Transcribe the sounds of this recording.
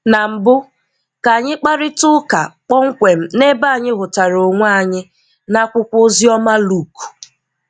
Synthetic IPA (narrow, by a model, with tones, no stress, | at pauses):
na˨m̩˨bʊ˦ | ka˨ɲɪ˦k͡pa˦ɾɪ˦tʊ˦ka̰˨k͡pɔ˦ŋ̩˦kʷe˨m̩˦ne˦ba˦˨ɲɪ˦ɦʊ˨ta˨ɾo˨ŋʷa˦˨ɲɪ˦ | na˦kʷʊ˦kʷʊ˦zi˦ɔ˦ma˦lu˦˨ku̥˨